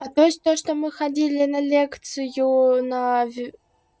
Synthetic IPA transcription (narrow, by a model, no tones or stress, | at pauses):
ɐt̪o̞jɪsʲt̪oʂt̪omɨxɐdʲilʲɪnɐlʲekt̪sɨjʊnɐvʲ